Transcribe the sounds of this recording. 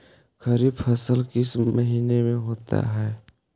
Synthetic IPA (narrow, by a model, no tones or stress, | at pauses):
kɐɾiːbfʰɐsəlkɪsmɐɦiːnemẽɦoːt̪a̰ɦɛː